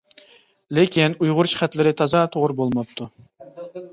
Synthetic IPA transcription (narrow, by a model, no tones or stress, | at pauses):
lɪkʲinujʁʊɾuʃχæt̪lɪɾɪt̪ʰɑzɑt̪ʰoʁɾɨbolˠmɑp̚t̪ʰu